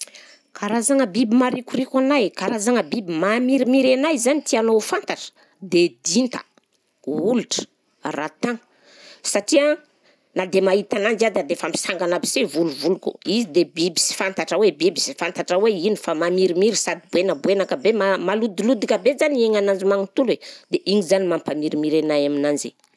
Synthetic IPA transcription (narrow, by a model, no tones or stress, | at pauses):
kaɾazaŋəbibimaɾikurikʲanajkaɾazaŋəbibimamiɾimiɾenajzanit̪ianofant̪aʈ͡ʂə̥ | d̪ed̪int̪ə̥̰ | uluʈ͡ʂə̥ | rat̪aŋə | saʈ͡ʂia | nad̪emait̪anand͡ʒad̪ad̪efami̥saŋɡanapi̥sevuluvulukṵizid̪ebibi̥si̥fant̪aʈ͡ʂəwebibisi̥fant̪aʈ͡ʂəweinifamamiɾimiɾisad̪ibuenəbuenakəbemamalud̪ilud̪ikʲəbezanieŋanand͡ʒimaŋit̪uled̪̥eʔiɲizanimampamiɾimiɾenajaminanze